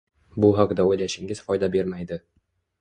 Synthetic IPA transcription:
bʊɦɒqd̪aojlæʃɪŋɪzfɒjd̪abe̞ɾmajd̪ɪ

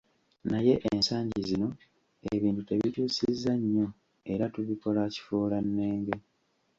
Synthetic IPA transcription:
naje̞ʔensaːɲɟizino̞ | eβiːntute̞βituːsizːaɲːo̞ | e̞ɾatuβiko̞laci̥fuːlanːeːŋɡe̞

